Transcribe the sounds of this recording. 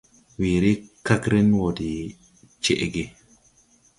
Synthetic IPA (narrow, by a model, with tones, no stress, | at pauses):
wi˨ɾi˦ka˦kɾɛ˦nwodi˨ | t͡ʃeʔɡe˨